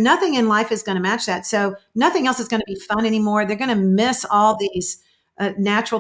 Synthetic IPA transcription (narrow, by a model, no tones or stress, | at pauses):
nʌθɪ̃ŋɨ̃nlaɪfɨzɡʌñɨmæt͡ʃðætsoʊnʌθɪ̃ŋɛlˠsəzɡʌñɨəbifʌ̃nɛñimɔɹðə˞ɡʌɾ̃ɨmɪsɔlˠðiz̥ | næt͡ʃɹ̥l̩ˠ